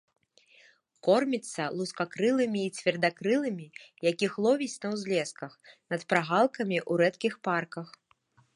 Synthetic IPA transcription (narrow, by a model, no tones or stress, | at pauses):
kɔrmʲit̪sːɐlˠuskakɾɨlˠɨmʲiːt͡sʲvʲɛrd̪akɾɨlˠɨmʲijakʲixlˠɔvʲisʲnɐwzʲlʲɛskɐxnɐt̪pɾaɣalˠkɐmʲiʔuɾɛt̪kʲixparkɐx